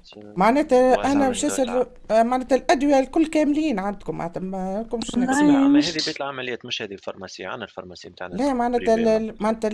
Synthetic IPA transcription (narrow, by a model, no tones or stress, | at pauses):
maʕnɛːt̪æʔænæbʃæsəɾ | maʕnɛːt̪ælʔæd̪wɪjælkʊlːkæːmliːnʕand̪kʊmːa̰ʕnɛːt̪ænkʊmʃmhɛibit̪lʕamælɪjæːt̪mɪʃhɛːðilfɑ̰ɾˤmasɪ̰jːa̰ʕa̰nːælfɑ̰ɾˤmaslɛːmaʕnɛːt̪maʕnɛːt̪